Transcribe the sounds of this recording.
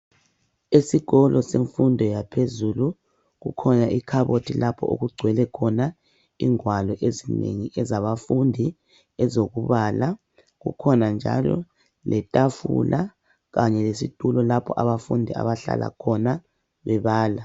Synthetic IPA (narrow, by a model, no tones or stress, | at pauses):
esiɣɔlɔseɱfundʱɔjapʰezuːlu | ɣṵkʰɔnaʔikʰaβotʰilapʰɔo̰ɣuɡ͡ǀʱwɛlɛkʰɔna | iŋwalɔʔezinḛŋiʔɛzaβafundʱi | ɛzoɣuβala | ɣṵkʰɔnand͡ʒʱa̰lɔ̰ | lʔɛtʼafṵlʔa | ɣaɲɛlesitʼulɔlapʰɔʔaβafundʱia̰βaɬa̰lʔa̰kʰɔna | βɛβaːla